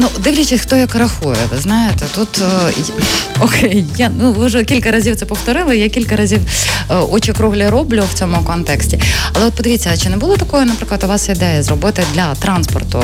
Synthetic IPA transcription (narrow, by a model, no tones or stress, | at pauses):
nud̪ɪwlʲɐt͡ʃɪsʲxt̪ɔjɐkɾɐxujɛ̰t̪znɑjet̪ɛt̪ut̪ | ɔkɛjjanuʋɪʒɛkʲilʲkɐɾɐzʲiwt̪sɛpɔft̪ɔɾɪlˠɪjakʲilʲkɐɾɐzʲiwɔt͡ʃikɾuɦlʲɪɾɔblʲʊwt͡sʲɔmʊkɔnt̪ɛksʲtʲiɐlˠɛɔt̪̚pɔd̪ɪʋʲit͡sʲːɐt͡ʃɪnɛbʊlˠɔt̪ɐkɔjʊnɐpɾɪklˠɐt̪ʊʋɑsɪd̪ɛjɐzrɔbɪt̪ɪd̪lʲɐt̪ɾɑnspɔ̰rt̪ʊ̰